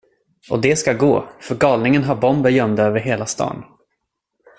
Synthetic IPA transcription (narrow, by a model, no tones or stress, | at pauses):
ʔɔd̪ɛskaɡo̰ːfœɾɡɑːlnɪŋənɦaɾbɔmbəɾjœmd̪aøːvəɾɦeːlast̪ɑ̰ːn